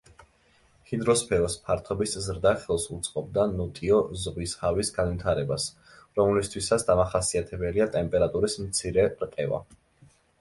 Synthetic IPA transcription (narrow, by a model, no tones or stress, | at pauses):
hind̪ɾɔspʰɛɾɔspʰaɾt̪ʰɔbiszɾd̪aχɛlˠsut̪sʼqʼɔb̚d̪anɔt̪ʼiɔzʁwishavisɡanvit̪ʰaɾɛbas | ɾɔmlist̪ʰwisat̪sʰd̪amaχasiat̪ʰɛbɛliat̪ʼɛmpʼɛɾat̪ʼuɾismt̪sʰiɾɛɾqʼɛva̰